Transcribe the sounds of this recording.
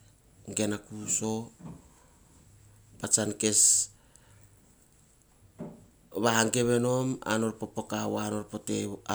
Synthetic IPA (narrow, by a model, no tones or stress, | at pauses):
ŋɡenakuso̞ | pat͡ʃanke̞s | βahaŋɡe̞βe̞no̞ma̰no̞ɾpopokawoano̞ɾpo̞tea